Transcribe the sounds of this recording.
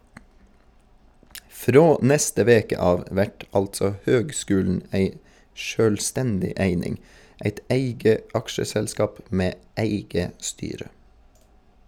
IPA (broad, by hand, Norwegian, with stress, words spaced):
ˈfɾoː ˈnɛstə ˈʋeːkə ˈɑːʋ ˈʋæʈ ˈɑltsɔ ˈhøːɡˌskʉːln̩ ˈæɪ ʃøːlˈstɛndɪ ˈæɪnɪŋ ˈæɪt ˈæɪɡə ˈɑkʃəsɛlˌskɑːp ˈmeː ˈæɪɡə ˈstyːɾə